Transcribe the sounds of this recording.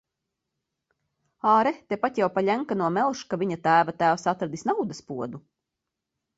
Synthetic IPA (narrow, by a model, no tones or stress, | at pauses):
aːɾɛt̪epat̪ʲjawpaʎʲæŋkanuɔmɛlˠʃkaviɲat̪æːvat̪æːwsat̪ɾad̪isnawd̪aspuɔd̪u